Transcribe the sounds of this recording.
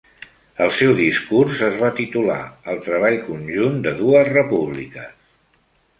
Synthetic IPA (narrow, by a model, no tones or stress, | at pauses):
əlˠsɛwðiskurzəzβ̞at̪it̪ula̰əlˠt̪ɾəβ̞aʎkunʲʒund̪əðuəzrəpuβlikəs